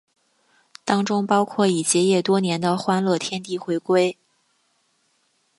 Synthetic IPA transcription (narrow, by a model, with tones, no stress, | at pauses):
t̪ɑ˥ŋʈ͡ʂʊ˥ŋpɑ˥ʊkʰwɔ˥˩i˨˩t͡ɕjɛ˧˥jɛ˥˩t̪wɔ˥njɛ˧˥nd̪ə˧xwa˥nlɤ˥˩t̪ʰjɛ˥nt̪i˥˩xwe˧˥ɪkwe˥ɪ